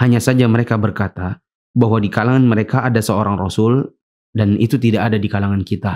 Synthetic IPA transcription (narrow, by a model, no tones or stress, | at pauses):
haɲasad͡ʒaməɾekabərkat̪a | baɦwadikalaŋanməɾekaːdasəoɾaŋrosʊl | danit̪ut̪idaʔadadikalaŋankit̪a